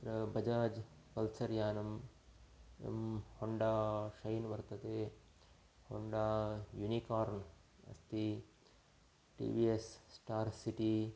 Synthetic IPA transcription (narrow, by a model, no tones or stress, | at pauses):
t̪ɾɐbɐd͡ʒaːd͡ʒ | pɐlsɐɾjaːnɐm | ḛmhoɳɖaːʃɐjnʋɐɾt̪ɐt̪eː | ho̰ɳɖaːjunikaːɾn | ɐ̰st̪i | ʈḭːʋiːesːʈaːɾsiʈi